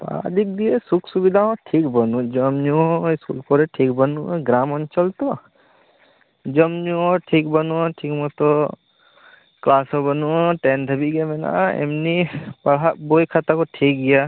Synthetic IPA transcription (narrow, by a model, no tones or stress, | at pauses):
pa̰d̪ik̚d̪iesuksubid̪ʱaɦɔ̃ʈʰikbɔnud͡ʒɔmɲuɔiskulpɔɾɛʈʰikbənuɡɾamɔnt͡ʃɔlt̪ɔ | d͡ʒɔmɲuɔʈʰik̚bənuɔʈʰikmɔt̪ɔ | klasɔbənuɔʈend̪ʱəbiɡemɛna̰ɛ̰mnipaɽabojkʰat̪akɔʈʰik̚ɡija